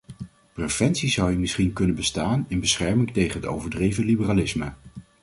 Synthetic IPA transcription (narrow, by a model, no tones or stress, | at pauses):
prev̥ɛnsizʌwəmɪsχinkɵnənbəstaːnɪnbəsχɛɹmɪŋtejχənɦəto̰wvəɹdrejvəlibəralɪsmə